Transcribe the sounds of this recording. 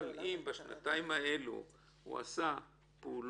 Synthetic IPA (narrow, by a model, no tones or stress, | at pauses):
lʔimbaʃna̰t̪aimaelṵ | hṵa̰sa | puːl